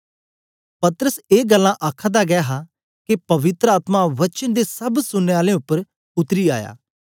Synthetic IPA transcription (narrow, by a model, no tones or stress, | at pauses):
pɐt̪əɾəseːɡəlːãʔaːkʰãd̪aɡɛaɦaː | kepɐʋɪt̪ɾəaːt̪maʋət͡ʃənd̪eːsɐbsʊnːeːaːlẽːʊpːəɾ | ʊt̪ɾiːa̰ːja̰ː